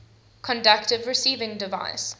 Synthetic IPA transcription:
kʰɔ̃ndʌk̚tɪvɹɪsiːvɪ̃ŋdɪva̰ɪs

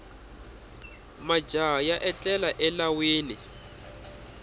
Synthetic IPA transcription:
mad͡ʒajaʔɛt͡ɬʼɛlaʔɛlawiːlɪ

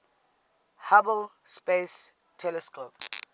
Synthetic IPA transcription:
habɔlspes | tʰɛlɛskʰop

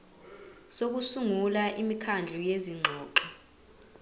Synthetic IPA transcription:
sok̬usuŋulaʔimikʰand͡ɮʱujeziŋ͡ǃʱɔːǃɔ

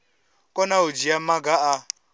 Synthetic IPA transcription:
kʼɔnaod͡ʒijamaɡaʔa

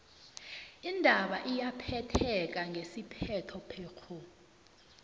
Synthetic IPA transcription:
indʱaɓaʔijapʰɛtʰɛk̬ʼaŋɡʱesipʰɛtʰɔpʰɛːkʰɔ

